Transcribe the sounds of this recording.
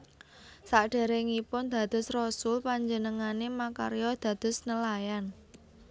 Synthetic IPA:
saʔɖ̥e̤ɾeŋipʊnd̪̥ä̤d̪̥ʊ̤srɔsʊlpaɲd͡ʒənəŋanemaka̰ɾjɔd̪̥ä̤d̪̥ʊ̤snəlajan

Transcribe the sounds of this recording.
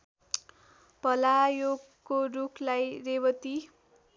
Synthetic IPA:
pʌlajoɡ | kːorukʰlajrebʌt̪i

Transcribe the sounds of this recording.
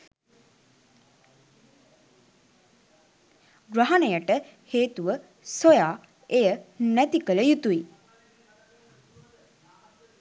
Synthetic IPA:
ɡraɦanejəʈə | heːt̪uʋə | sojaː | ejənæt̪ikələjut̪ui

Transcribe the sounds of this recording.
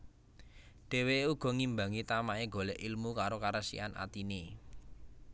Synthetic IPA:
ɖ̥e̤weuɡ̥ɔ̤ŋimbaŋit̪amaʔeɡo̤lɛʔilmukaɾokaɾəsḭanʔa̰t̪ine

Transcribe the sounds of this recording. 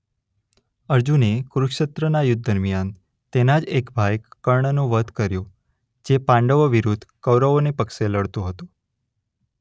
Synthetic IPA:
əɾd͡ʒunekɾʊkʃət̪ɾənajʊd̪̚ʱd̪əɾmijan | t̪enad͡ʒekbʱajkːəɾɳənõʋəd̪kəɾjo | d͡ʒepãɳɖəʋoʋiɾud̪ʱkəʋɾəonepəkʃeləɽt̪õɦət̪ũ

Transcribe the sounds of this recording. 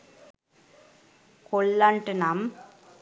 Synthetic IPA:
kɔɭːaɳʈɯnam

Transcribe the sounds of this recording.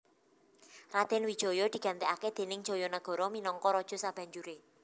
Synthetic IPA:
rad̪̥ɛ̤nwid̥ʒ̥ɔ̤jɔd̪̥i̤ɡ̥a̤nt̪eaked̪̥e̤nɪŋ̥ʒ̥ɔ̤jɔnəɡ̥ɔ̤ɾɔminɔŋkɔɾɔd̥ʒ̥ɔ̤sab̥a̤ɲd͡ʒuɾe

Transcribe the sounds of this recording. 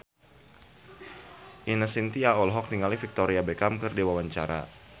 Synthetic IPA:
ʔinəsint̪iaɔlɦɔk̚niŋalifik̚t̪ɔɾiabekamkərdiwawaɲt͡ʃa̰ɾa̰

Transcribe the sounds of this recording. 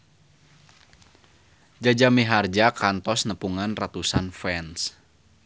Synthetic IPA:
d͡ʒad͡ʒamiɦard͡ʒakant̪ɔsnəpuŋanrat̪usanfɛns

